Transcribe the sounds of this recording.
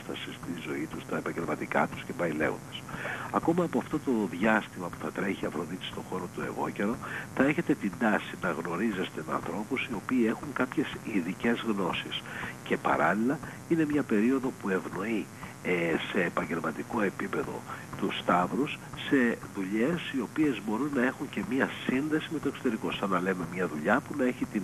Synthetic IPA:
st̪ɐsist̪izo̞it̪ust̪ɐe̞pɐɲɟe̞lmɐt̪ikɐ̰t̪u̥scevɐilḛɣo̰nd̪̥ɐsɐko̞mɐːpoɐft̪o̞t̪o̞ðʝɐst̪imɐpu̥θɐt̪ɾe̞çiɐfɾo̞ðit̪i̥st̪o̞xo̞ɾo̞t̪ue̞̰ɣo̞̰ce̞ɾo̞θɐe̞çe̞t̪e̞t̪ind̪ɐsinɐɣno̞ɾize̞st̪e̞mɐ̰nθɾo̞pusio̞piːe̞xuŋkɐpçe̞siðice̞zɣno̞sisce̞pɐ̰ɾɐ̰lilɐ | ine̞mɲɐpe̞ɾio̞ðo̞pue̞vno̞i | se̞ːpɐɲɟe̞lmɐt̪iko̞e̞pipe̞ðo̞̰t̪ust̪ɐvɾusːe̞ðuʎe̞sio̞pie̞zbo̞ɾunːɐe̞xuɲce̞mɲɐsinðe̞simet̪oekso̞t̪e̞ɾiko̞sɐnːɐle̞me̞mɲɐðuʎɐpunɐe̞çit̪in

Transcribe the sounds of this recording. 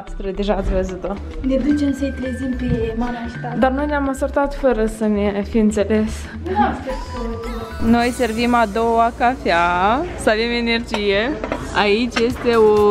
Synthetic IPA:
t̪sʲt̪ɾed̪eʒat̪sʲvəzut̪o | ned̪ut͡ʃemsəjt̪ɾezimpemanaʃt̪ad̪arno̞jneamasurt̪at̪fəɾəsənefijɨnt̪se̞le̞s | ae | no̞jse̞rvimad̪o̞wakafeasəave̞me̞ne̞rd͡ʒijeait͡ʃʲje̞st̪eo

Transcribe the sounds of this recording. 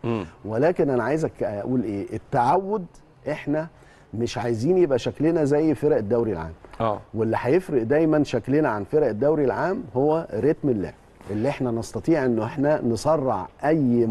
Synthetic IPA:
welæːkenʔænæʕaːjzækæʔuːlʔeːʔet̪ːaʕawːod̪ | ʔeħnæ | meʃʕajeziːnjebʔæʃæklenæzæjːfeɾæʔed̪ːæwɾilʕa̰ːmʔːwelːiħæjefɾeʔd̪æjmænʃæklenæʕanfeɾæʔed̪ːæwɾilʕaːmhowːæɾet̪melːæ̰ː | ʔelːiʔeħnænɑst̪ˤɑt̪ˤiːʕʔenːoʔeħnænesˤɑrˤːɑʕʔæjː

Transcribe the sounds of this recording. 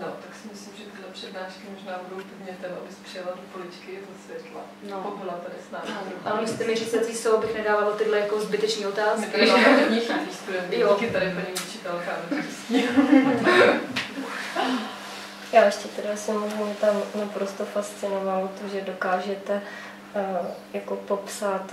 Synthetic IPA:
not̪aksɪmɪslimʒɛt̪ɪdlɛpr̥ɛdnaːʃkɪmoʒnaːbudo̞wpɛdmɲɛt̪ɛmʔa̰bɪspr̥ɪjalat̪dokolɪt͡ʃkɪjɛzɛsvjɛt̪la̰ | npobɪlat̪adɪsna̰ːmʔamist̪ɛmɪɾit͡sɛt̪iːsowbɪxnɛdaːvalot̪ɪdlɛjakozbɪt̪ɛt͡ʃɲiːot̪aːskɪtɪɪoɲixit̪viːst̪udɛnt̪ikɪt̪adɪpəɲɛmit͡ʃit̪alxaːmɛɾisi | jaːjɛʃcɛt̪ɛdasamozimɲɛt̪amnapɾost̪ofast͡sɪnovalot̪oʒɛdo̞kaːʒɛt̪ɛ | jakopo̞psaːt̪

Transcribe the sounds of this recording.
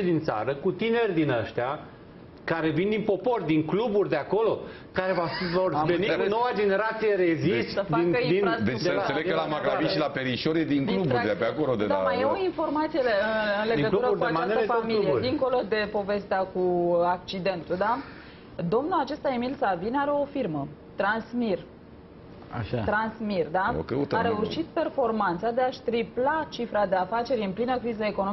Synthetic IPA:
id̪int̪sa̰ɾəkut̪ine̞rʲd̪inəʃt̪ea | kaɾe̞vind̪inpo̞po̞rd̪iŋkluburʲd̪eako̞lo̞ | kaɾe̞vavorveninːowad͡ʒe̞ne̞ɾat̪sije̞ɾe̞zistəd̪ind̪ind̪et͡ʃd̪eənnseleɡkəlamaɡɾaiʃilapeɾiʃo̞ɾjed̪iŋklub̪uɾd̪apeakolod̪ed̪a̰majeoinfo̞rmat̪sijeɨɨnle̞ɡət̪uɾəkuat͡ʃast̪əfamilijed̪iŋko̞lo̞d̪e̞po̞ve̞st̪eakuak̚t͡ʃid̪e̞nt̪ud̪a | d̪o̞mnulat͡ʃe̞st̪aemilsavinaɾe̞o̞firmə | t̪ɾansmir | a̰ʃat̪ɾansmird̪ao̰kəut̪aɾeurʃit̪pe̞rfo̞rmant̪sad̪e̞aʃt̪ɾiplat͡ʃifɾad̪e̞afat͡ʃe̞ɾʲɨmplinəkɾizəe̞konoi

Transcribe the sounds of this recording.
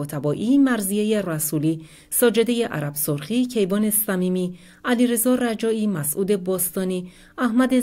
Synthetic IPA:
ɔːt̪ʰæbɒːʔimæɾzijejeræsuliː | sɒːd͡ʒe̞d̪e̞je̞ʔæ̰ɾæb̥soɾχicʰe̞jbɒːne̞sæmiːmi | æliɾe̞zɒræd͡ʒɒːiːmæsʔuːd̪e̞bɒːst̪ɒːniː | æhmæd̪e

